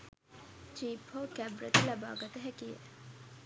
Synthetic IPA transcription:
t͡ʃiːphoːkæbɾɐ̰t̪lɐba̰ːɡɐt̪ɐɦækijḛ

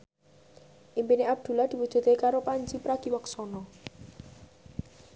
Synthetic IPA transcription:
ʔimpineab̚d̪̥ṳlad̪̥i̤wud̥ʒ̥ṳt̪ekaɾopaɲd͡ʒipɾaɡ̥i̤wəksɔnɔ

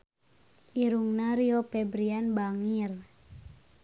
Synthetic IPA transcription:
ʔiɾuŋnaɾiɔpɛbɾianbaŋir

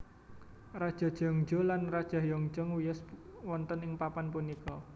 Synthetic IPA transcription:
rad̥ʒ̥ɔ̤d̥ʒ̥ɔ̤ŋd͡ʒɔlanrad̥ʒ̥a̤hjɔŋ̥d͡ʒɔŋwijəswɔnt̪ənɪŋpapanpunikɔ

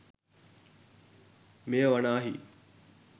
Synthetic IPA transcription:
mejəʋɐnaːɦi

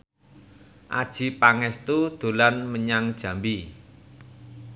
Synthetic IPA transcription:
ʔa̰d̥ʒ̥i̤paŋɛst̪ud̪̥o̤lanməɲaŋd̥ʒ̥ä̤mbi

